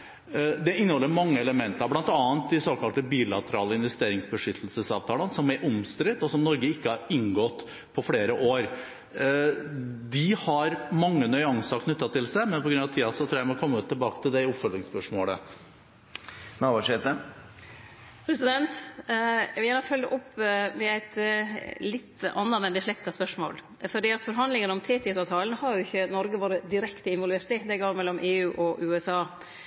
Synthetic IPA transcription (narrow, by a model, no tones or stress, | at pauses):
d̪ɛɪnːəhɔlːəɾmɑŋːəɛləmɛnt̪əɾblɑnt̪ɑːənt̪d̪ɪsoːkɑlt̪əbiːlɑt̪əɾɑ̰ːləɪnʋɛst̪eːɾɪŋsbəʂʏt̪ʰːəlsəsɑːʋt̪ʰɑːlənsɔmɛʔʊmst̪ɾɪt̪ːɔsɔmnɔɾɡəɪkːəhɑɾɪnːɡɔt̪ː | pʰɔfɽeːɾəʔoːɾ | d̪ɪhɑɾmɑŋːənœʏɑŋskʰnʉt̪ːɑt̪ʰɪlsæmɛnpʰɔɡɾʉnɑʋt̪ʰiːɑsɔt̪ʰɾuːjæɪmɔkʰɔmːəət̪ʰːɪlbɑːkət̪ʰɪld̪ɛʊpfœlɪŋspœʂmoːlə̰ | nɑʋɑʂet̪ə | pʰɾɛsɪd̪ɛnt̪ | ʋɪjæːnəfœldəʔɔpːmɛæɪt̪ | lɪt̪ːɑ̰nːɑmɛndɪʂlɛkt̪ɑspœʂmo̰ːl | fɔɖiːɑt̪fɔɾɦɑnd̪lɪŋənɔmt̪ʰeːt̪ɪsɑt̪ʰɑːlənəhɑɾjʊɪçːənɔɾɡəʋɑːɾəd̪ɪɾɛkt̪əɪnʋɔlʋeːɾt̪ɪd̪ɛɡoːɾmɛlːɔmʔeːʉːʔɔʔʉːɛsɑː